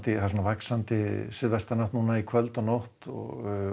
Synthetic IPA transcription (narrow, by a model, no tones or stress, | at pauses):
t̪ɪθas̬ɔnavaksant̪ɪsɪðvast̪anawht̪nuːnaikʰvœlt̪ɔɣnowht̪ɔ̰ɣ